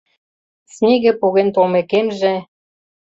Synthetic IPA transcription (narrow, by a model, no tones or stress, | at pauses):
snʲeɣĕpoɣent̪omekemʒĕ